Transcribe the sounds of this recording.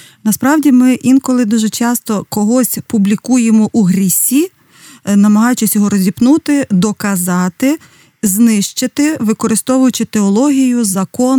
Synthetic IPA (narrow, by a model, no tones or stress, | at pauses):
nɐspɾɑwdʲimɪʔinkɔlˠɪd̪uʒɛt͡ʃɑst̪ɔkɔɦɔsʲpublʲikujemɔʔuɦɾʲisʲi | nɐmɐɦɑjʊt͡ʃɪsʲjɔɦɔɾɔzʲipnut̪ɪd̪ɔkɐzɑt̪ɪ | znɪʃt͡ʃɪt̪ɪʋɪkɔɾɪst̪ɔʋʊjʊt͡ʃɪt̪eɔlˠɔɦʲijʊzɐkɔn